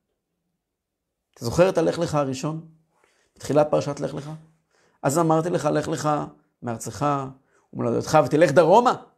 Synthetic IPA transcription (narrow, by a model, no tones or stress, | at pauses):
at̪ʰazo̞χe̞ʁet̪ale̞χle̞χaaʁiʃo̞n | b̥e̥t̪χilat̪̚paʁaʃat̪ale̞χleχa | ʔazamaʁt̪ileχaleχle̞χa | meaʁt͡seχa | umela̰d̪o̰t̪χavet̪ile̞χd̪aʁo̞ma